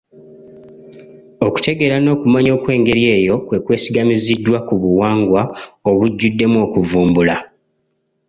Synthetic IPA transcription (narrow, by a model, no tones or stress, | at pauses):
o̞ku̥te̞ɡe̞ɾano̞ːkumaɲo̞ːkwe̞ːŋɡe̞ɾje̞ːjo̞kwe̞kwe̞ːsiɡamizidːwakuβuwaːŋɡwao̞βuɟːudːe̞muo̞ːkuvuːmbula